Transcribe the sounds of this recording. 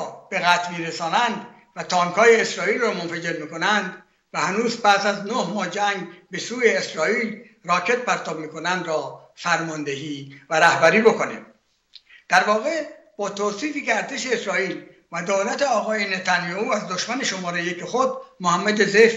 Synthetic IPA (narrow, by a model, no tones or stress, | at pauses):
b̥eɣæt̪ʰmiːɾesɒːnænd̪ | væt̪ʰɒːŋkʰɒːje̞eːsɾɒːiːlrɒːmonfæd͡ʒe̞ɾmiːko̞nænd̪ | væhænuːzpæsæznohmɒːd͡ʒæŋɡbe̞suːjeːsɾɒːiːl | rɒːkʰe̞t̪̚pæɾt̪ʰɒːbmiːko̞nænd̪rɒːfæɾmɒːnd̪eɦiːvæɾæhbæɾiːbo̞konḭːm | d̪̥æɾvɒːɣe̞b̥ɒːt̪ʰosiːfiːkeæɾt̪ʰe̞ʃe̞esɾɒːiːl | væd̪oːlæt̪e̞ɒːɣɒːjenet̪ʰænjɒːhuːæzd̪oʃmæne̞ʃomɒːɾejecʰexod̪mohæmːæd̪ezef